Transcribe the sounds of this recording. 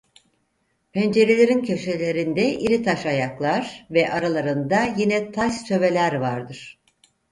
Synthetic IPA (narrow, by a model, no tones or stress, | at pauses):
pʰɛnd͡ʒe̞ɾelʲe̞ɾincʰø̞ʃelʲe̞ɾind̪ɛʔiɾit̪ʰaʃajaklˠaɾ̥vɛʔaɾalˠaɾɯnd̪ajinɛt̪ʰaʃt͡ʃ̪ʰø̞ve̞lʲæɾvaɾd̪ɯɾ̥